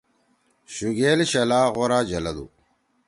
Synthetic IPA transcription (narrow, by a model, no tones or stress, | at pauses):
ɕuɡeːlɕɐlaːɣoɾaːd͡ʑɐlɐd̪ṵ